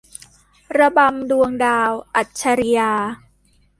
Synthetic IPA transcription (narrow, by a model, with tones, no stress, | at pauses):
ɾa˧ba˧mdu˧əŋdaː˧wʔa˨˩t̪̚t͡ɕʰa˧ɾi˧jaː˧